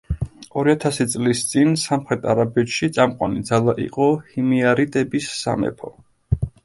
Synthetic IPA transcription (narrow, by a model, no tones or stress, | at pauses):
ɔɾiat̪ʰasit̪sʼlist̪sʼinsamχɾɛt̪ʰaɾabɛt̪ʃit̪sʼamqʼwa̰nid̪zalˠaʔḭqʼɔhimiaɾit̪ʼɛbisːa̰mɛ̰pʰɔ